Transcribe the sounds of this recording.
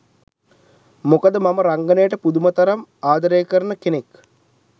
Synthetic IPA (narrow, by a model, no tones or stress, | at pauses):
mokəd̪əmaməɾaŋɡənejəʈəpud̪umɐt̪ɐɾamaːd̪ɐɾejkəɾnəkenek